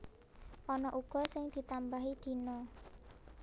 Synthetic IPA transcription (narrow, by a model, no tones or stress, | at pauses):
ʔɔnɔʔuɡ̥ɔ̤sɪŋd̪̥i̤t̪ambaɦid̪̥i̤nɔ